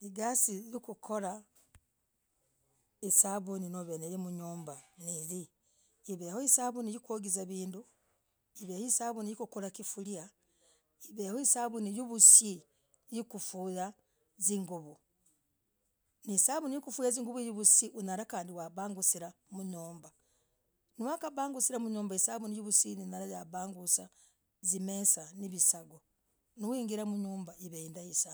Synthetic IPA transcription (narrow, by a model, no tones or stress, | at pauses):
iɡasiɾikukʰoɾa | isaβuninoβeneɾemuɲuːmbaniɾiː | βehoisaβunijikwoɡizaβiːndu | iβehoisaːβunijikukoɾakifulia | iβehoisaβunijuβusi | jikufuːja | ziŋɡuβu | nisaβunijikufuːjaziːŋɡuβujuβusiʔunaɾakaːndiwaβaːŋɡusiɾamuɲuːmba | niwakabaːŋɡusiɾamuɲoːmbaisaβunijuβusininaɾajaβaːŋɡusa | zimesaniβisaɡo | niwiːŋɡiɾamuɲuːmbaiβeindaisaβ